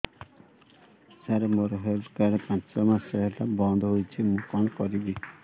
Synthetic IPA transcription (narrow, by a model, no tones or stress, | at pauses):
saɾemoɾɔɦeɾkaɾepãt͡ʃsɔmasɔɦeɾlabɔnd̪ʱɔɦojt͡ʃʰimũkɔnkɔɾid̪i